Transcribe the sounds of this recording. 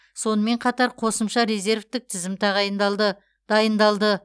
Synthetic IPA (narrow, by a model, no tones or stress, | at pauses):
so̞nəme̞ɴqʰɑt̪ɑɾqʰo̞səmʃɑɾeze̞ɾft̪ɪk̚t̪ʰɪzɪmt̪ʰɑʁɑjənd̪lˠd̪ə | d̪̥ɑjənd̪ɑlˠd̪ə